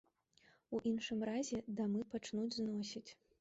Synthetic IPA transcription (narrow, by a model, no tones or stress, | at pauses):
uʔinʂɨmrazʲɛd̪amɨpat͡ʂnud͡zʲznɔsʲit͡sʲ